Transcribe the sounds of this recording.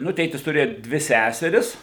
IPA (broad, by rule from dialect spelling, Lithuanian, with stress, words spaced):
ˈnʊ ˈtʲeːtʲɪs tʊˈrʲeːjʊ ˈdʲʋʲɪ ˈsʲæsʲɛrʲɪs